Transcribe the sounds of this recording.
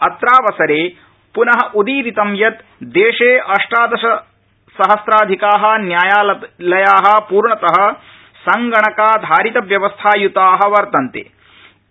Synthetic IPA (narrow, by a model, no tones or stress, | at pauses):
ɐt̪ɾaːʋɐsɐɾeː | punɐɦɐ̆ʔud̪iːɾit̪ɐmjɐt̪ | d̪eːʂeːʔɐʂʈaːd̪ɐʃɐ | sɐɦɐsɾaːd̪ʱikaːɦɐ̆njaːjaːllɐjaːɦɐ̆puːɾɳɐt̪ɐɦɐ̆ | sɐŋɡɐɳɐkaːd̪ʱaːɾit̪ɐʋjɐʋɐst̪ʰaːjut̪aːɦɐ̆ʋɐɾt̪ɐnt̪ḛː